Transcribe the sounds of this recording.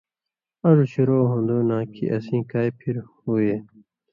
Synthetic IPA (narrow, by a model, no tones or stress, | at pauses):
ɐzuɕiɾoːɦõnd̪oːnãːkʰḭʔɐsĩːkaːjpʰiɾhuːeː